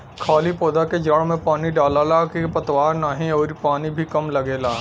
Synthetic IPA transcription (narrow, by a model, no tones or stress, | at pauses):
kʰaːlipoːd̪aked͡ʒəɭmẽpaːniɖaːlalakepɐt̪waːɾnaːɦĩɔːɾipaːnibʱikɐmlɐɡeːlaː